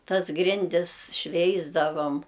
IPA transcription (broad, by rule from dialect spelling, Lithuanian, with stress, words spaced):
ˈtɐs ˈɡrʲɪnʲdʲɪs ˈʃʲʋʲɛɪzdɐʋoːm